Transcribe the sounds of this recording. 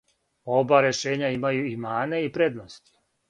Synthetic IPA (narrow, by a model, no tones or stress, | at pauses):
o̞baɾeʃe̞ːɲaimajuimaːneipɾe̞d̪nost̪i̥